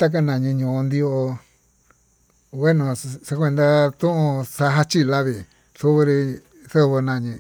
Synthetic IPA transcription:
t̪a˦k̬a˧˨nã˨ɲĩ˧ɲũ˨˧nd̪i˧o˧o˧ | we˦nõ˧sa˧kʷe˧nd̪a˧t̪ũ˦ʔũ˧sa˧ɦa˦t͡ʃi˦˧la˦βi˨ | θu˦βe˧ɾi˧ | θo˦˧βo˧nã˧˨ɲĩ˧

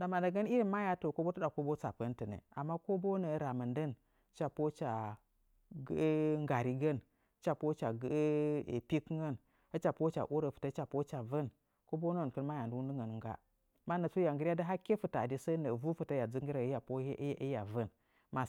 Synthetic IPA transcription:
da˨ma˨da˨ɡə˦ni˦ɾi˦ma˦ja˨to˨ko˦bo˦tə˦da˨ko˦bo˦t͡sa˨pə˦ntə˨nḛ˨a̰˨mːa˦ko˦bo˦nə˨ɾa˨mə˨ndə˦n | t͡ʃa˨po˦t͡ʃa˨ | ɡŋɡa˨ɾi˦ɡə˦n˦ | t͡ʃa˦po˦t͡ʃa˨ɡ̰pi˦kŋɡə˦n | hə˦t͡ʃa˨po˦t͡ʃa̰˨ʔu˦ɾə˨fə̥˨tə˦t͡ʃa˨po˦t͡ʃa˨və˦n | ko˦bo˦nə˦˨kə˦nma˦ja˨ndu˦wu˦ndu˦ŋɡə˨n˨ŋɡa̰˦ | ma˦nə˨t͡su˦ja˨ŋɡə˦ɾa˦də˦ɦa˦ke˦fu˨ta˨di˦sə˦nə˨vu˦fu˨ta˦ja˨d͡zu˦ŋɡi˦ɾa˨˦ja˨po˦ja˨və˦n | ma˨

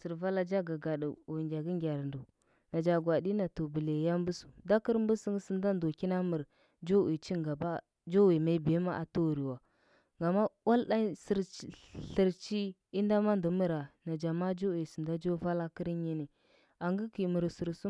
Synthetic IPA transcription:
sə˨ɾva˦la˦d͡ʒa˦ɡa˨ɡa˨dṵ˨u˨ŋɡʲa˨ɡi˦ŋɡʲa˨ɾndu˨ | na˨d͡ʒa˨ɡwa˨di˦na˨to˨bə˨le˨ja˦mbu˦su̥˨da˦kə˦ɾm˦bu˦sə˦ŋ˦sə˦n˦da˦ndo˨ki˦na˦mə˨ɾ | d͡ʒo˦wi˨t͡ʃi˦ŋɡa˨ba˦ | d͡ʒo˦wi˨ma˨i˦be˨˦ma˦ʔa˨to˦˨ɾi˨wa˨ | ŋɡa˨ma˦wa˦lɗa˦sɾɬə˨ɾt͡ʃi˦ | i˦n˦da˦ma˦ndu˨mə˦ɾa˨na˨d͡ʒa˨ma˦d͡ʒo˦wi˨sə˨nda˦d͡ʒo˦va˦la˦kə˦ɾi˦ɲi˦ni˨ | a˨ŋɡə˦ki˨mə˨ɾsu˨ɾsu˦

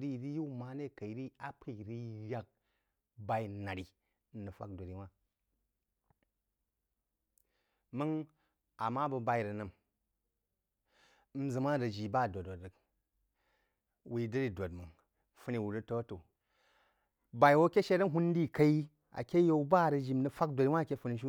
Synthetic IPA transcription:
ɾi˦˨ɾi˦ju˦ma˨˦ne˦˨ka˨i˨ɾi˦a˦pʰi˨ɾi˦ja˦k̚ | ba˨i˦˨na˨ɾi˨ | n̩˦nɨ˨fa̰˦k̚do˨ɾi˨mʷa˦ | mɨ˦ŋ | a˨ma˦bə˧ba˧i˨ɾə˨nɨ˨m˦ | m̩˦zɨ˨ma˦ɾə˨d͡ʒi˨ba˦˨do˨o˨ɾə˨k | wi˨də˦ɾi˨do˨tmɨ˨ŋ | fɨ˦ni˨wu˨ɾə˦to˦to˨ | ba˨i˨wo˦kʲe˦ʃe˦ɾə˦ŋ˦ɦu˦n˦di˦ka˦i˦ | a̰˨kʲe˦jo˦u˦ba˦˨ɾə˨d͡ʒi˦nɨ˨fa˦k̚dʷo˨ɾi˦wʷa˦˨kʲe˦fu˧ni˧ʃu˦

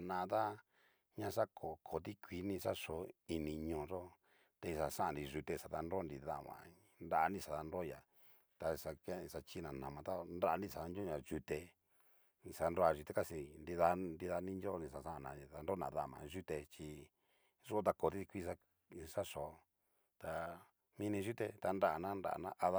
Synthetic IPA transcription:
a˨nã˧t̪a˦ | ɲã˧˦ʂa˦kʰo˨kʰo˨t̪i˦kʷi˧˦nĩ˧ʂa˦ʂo˨i˧nĩ˧ɲõː˧˨ʐo˦ | t̪e˧i˧ʂa˨ʂã˦ʔã˨ɾi˧ʒu˧t̪e˧ʂa˨t̪a˧nɾo˦nɾi˧ða˦˨mã̰˨ | nɾa˦˧nĩ˦ʂa˨ða˧nɾo˦˧ja˨ | t̪a˧ʂa˧ke˦˧sa˧t͡ʃi˦nã˨nã˨mã˧t̪a˦nda˦˧nĩ˦˧sa˨ða˧n˦õ˦ɲã˧ʒu˧t̪e˧ | ĩ˧sa˧nɾo˧a˧ʒu˧t̪e˧ka˦si˧ndi˧ða˧ndi˧ða˧˦nĩ˦d͡ʒo˦nĩ˧˨ʂa˧˨ʂa˦˨nã˧ða˧nɾo˦nã̰˨ða˦˨mã̰˧˨ʒu˦t̪e˧t͡ʃi˧ | ʐu˦o˦t̪a˧ko˨t̪i˦i˧kʷi˦ʂa˦ | ʂa˦ʂo˨˦ | t̪a˧ | mĩ˧nĩ˧ʒu˦t̪e˧t̪a˧nda˦˨nã˦nda̰˨nã˦ʔa˧ða˦

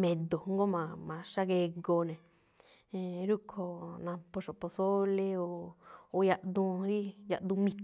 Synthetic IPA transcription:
mẽ˨d̪o˨ŋ˦ɡo˦mã˧mã˧ʂa˦ɣe˧ɡo˧nẽ˨˧ | ɾu˦kʰo˧nã˧po˧ʂo˨po˧so˦le˧oː˨˧ja˧ʔd̪ũ˧ɾi˦ja̰˧ʔd̪ũ˧mĩ˧k

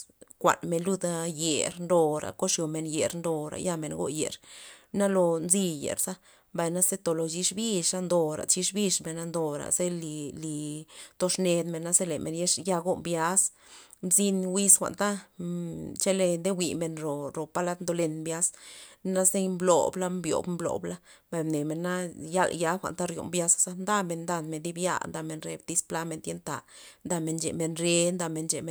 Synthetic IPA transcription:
kʷa̰˨nme˨nlu˦d̪a˧je˨ɾnd̪o˧ɾa̰˨ko˦ʂjo˨me˨nje˨ɾnd̪o˧ɾa̰˨ja˦˧me˨nɡo̰˦jḛ˨ɾna˦lo˧nzi˧jḛ˨ɾsa˦ | mba˨jna˦ze˦t̪o˨lo˧t͡ʃi˧ʂbi˦ʃa˦nd̪o˧ɾa̰˨t͡ʃi˧ʂbi˦ʂme˨na˧nd̪o˨ɾa̰˨ze˦li˧li˨t̪o˧ʂne˧d̪me˨nːa˦ze˦le˨mʔe˨nje˦ʂja˧ɡo˦mbja˦s | mzi˧nwi˧sxʷa̰˨ʔnt̪a˦ | t͡ʃe˦le˧nd̪e˦wi˨me˧nɾo˨ɾo˨pa˦la˦t̪nd̪o˧le˧nmbja˦sna˦ze˦mblo̰˨bla˦mbjo̰˨bmblo̰˨bla˦ | mba˨jne˨me˨nːa˦ja˦lja˦xʷa̰˨nt̪a˦ɾjo̰˨mbja˦sa˦sa˦nd̪a˦me˧˨nd̪a˧˨nme˨nd̪i˦bja̰˦nd̪a˧me˧nɾe˧b̚t̪i˧spla˦me˧nd̪je˦nt̪a̰˨nd̪a˧me˧nt͡ʃḛ˨me˧nɾe˦nd̪a˧me˧nt͡ʃe˨me˨

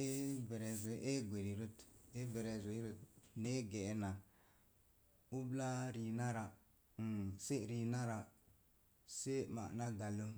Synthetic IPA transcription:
e˦be˨ɾe˨ze˨ʔe˦ɡʷe˨ɾi˨ɾu˦te˦ve˨ɾe˨zo˨i˦ɾu˦t̚ne˦ɡe˨˦na˨ | u˦bla˦ɾi˨na˦ɾa˨ | se˦ɾi˨na˦ɾa˨ | se˦ma̰˨na˦ɡa˨lo˦

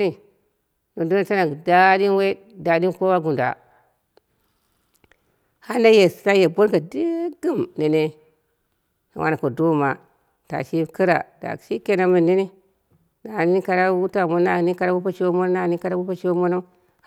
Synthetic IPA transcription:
ni˨ | no˨do˦n˨ta˦na˨da˦di˦n˦we˦ | da˨di˦nko˦wa˦ɡu˨da̰˨ | ha˦na˦je˨sa˦je˨bo˦nɡa˨di˦ɡi˦mne˨ne˦ | na̰˨wʔa̰˦a˨ko˨do˦˨ma˨ | ta̰˨ʃi˦kə˦ɾa̰˨d̥a̰˨ʃi˦ke˨na˦mi˨ndi˦ni˦ | na˨ni˦ni˦ka˨ɾa˦wu˦ta˨mo˦na˨ni˦ka˦ɾa˦wu˦pa˦ʃi˦wo˦mo˦n˦na˦˨ni˦ka˦ɾa˦wu˦pa˦ʃi˦wo˦mo˦no˦

